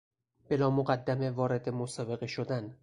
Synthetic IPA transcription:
b̥e̞lɒːmoɢæd̪ːæmevɒːɾe̞d̪emosɒːbe̞ɣe̞ʃod̪æn

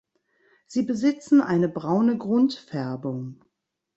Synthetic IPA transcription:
z̥iːbəzɪt͡sn̩ʔaɪnəbʁaʊnəɡʁʊntfɛɐbʊŋ

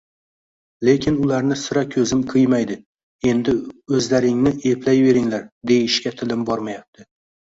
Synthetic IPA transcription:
le̞kʲʰɪnʊlaɾnɪsʊɾakʲʰɵzɪmqʰɨjmajd̪ɪ | e̞nd̪ɪɵzlaɾɪŋnɪʔe̞pʰlajve̞ɾɪŋlaɾd̪e̞jɪʃkʲat̪ʰɪlɪmbɒɾmajap̚t̪ʰɪ

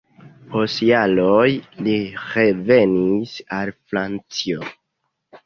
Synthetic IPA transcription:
osialojliɾe̞ve̞nisalfɾant͡sio

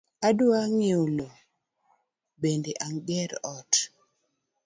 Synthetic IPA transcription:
aduaŋeolo | bendeʔaŋɡɛɾɔt

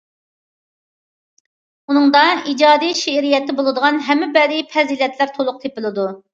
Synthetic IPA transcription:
unɨŋd̪ɑid͡ʒɑːd̪ijʃeɾijɛt̪ːɪbolˠɨd̪əʁɑnɦɛmːɪbɛd̪ɪpʰɛzilɛt̪læɾt̪ʰolˠʊq̚t̪ʰepɪlˠɨd̪u

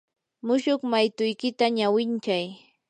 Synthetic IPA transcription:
mʊʃʊχmajt̪ʊjkɪt̪aɲawɪnt͡ʃaj

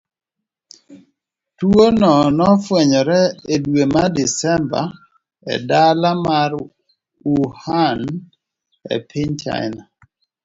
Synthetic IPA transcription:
twonɔnɔfweɲɔɾɛedwemadisɛmba̰ | ɛ̰dalamaɾ | uhan | ɛ̰pʰɪɲt͡ʃa̰ɪna

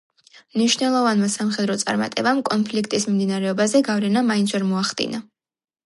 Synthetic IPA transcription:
mniʃvnɛlˠɔvanmasamχɛd̪ɾɔt̪sʼa̰ɾma̰t̪ʼɛbamkʼɔnpʰlikʰt̪ʼismimd̪inaɾɛɔbazɛɡavɾɛnamaind͡ʒɛɾmɔaχd̪ḭna

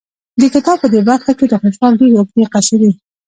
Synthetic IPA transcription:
d̪əkɪt̪ɑb̚pəd̪ebaɾxaked̪əxʊʃwɑldeɾeʊkd̪eqaʃaɾi

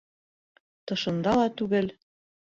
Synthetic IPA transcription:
t̪ɤ̆ʃɤ̆nd̪ɑlɑt̪uɣɘ̆lʲ

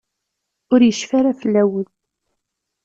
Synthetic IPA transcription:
ʊɾjəʃfaɾafəlːæwəl

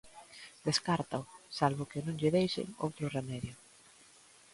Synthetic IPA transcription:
d̪̥eskaɾt̪aʊsalβʊkɪnõŋʎɪðejʃɪ̰ŋo̰wt̪ɾʊremɛðjʊ

